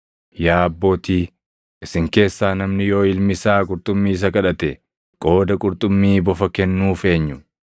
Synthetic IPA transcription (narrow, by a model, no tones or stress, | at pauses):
jaːɐbːo̞ːt̪iː | ʔɪsɪŋke̞ːsːaːnɐmnɪjo̞ːɪlmɪsaːkʼʊɾt̪ʼʊmːiːs̬ɐkɐᶑɐt̪ɛ | kʼo̞ːd̪ɐkʼʊɾt̪ʼʊmːiːbɔfɐkɛnːuːfe̞ːɲːʊ